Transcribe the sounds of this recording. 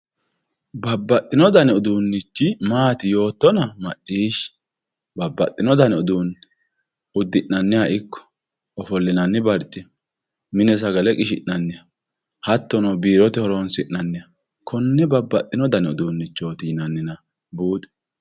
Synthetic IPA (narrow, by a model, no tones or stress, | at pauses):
bɐbːɐt̪ʼːɪnɔd̪ɐnɛɔd̪uːnːɪt͡ʃːɪmaːt̪ɪjo̞ːt̪ːɔnɐmɐt͡ʃʼːiːʃ | bɐbːɐt̪ʼːɪnɔd̪ɐnɛɔd̪uːn | ʊd̪ːɪʔnɐnːɪjɐʔɪkːɔ̥ | ɔfɔlːɪnɐnːɪbɐɾt͡ʃʼːɪ | mɪnɛs̬ɐɡɐlɛkʼɪʃɪʔnɐnːɪjɐ | hɐt̪ːɔnɔbiːɾɔt̪ɪhɔɾɔnsɪʔnɐnːɪjɐ | kʰɔnːɛbɐbːɐt̪ʼːɪnɔd̪ɐnɛɔd̪uːnːɪt͡ʃːo̞ːt̪ɪd͡ʒɪnɐnːɪnɐ | buːt̪ʼɛ̥